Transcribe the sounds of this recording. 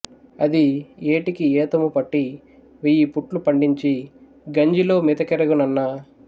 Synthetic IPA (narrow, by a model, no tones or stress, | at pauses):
ɐd̪ieːʈikiɛːt̪ɐmupɐʈːi | ʋijipuʈlupɐɳɖiɲt͡ʃi | ɡɐɲd͡ʒilo̞ːmit̪ɐkɛɾɐɡunɐnːa